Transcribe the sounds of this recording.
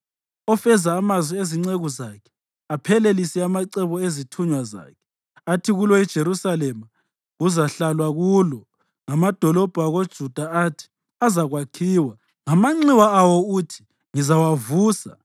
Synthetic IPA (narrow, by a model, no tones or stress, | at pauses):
ɔfɛzaːmazwieziŋ͡ǀeɣuzakʰɛ̥ | apʰɛlelisɛamaǀɛβɔezitʰuɲwaza̰ːkʰɛ̥ | atʰiɣulɔid̥ʒ̥ʱeɾusalɛma | ɣuzaɬalwaɣulɔ | ŋamad̥ʱɔlɔb̥ʱuaɣod̥ʒ̥ʱud̥ʱaatʰi̥ | azaɣwakʰiːwa | ŋamaŋ͡ǀiwaawɔutʰi̥ | ŋizawavuːsa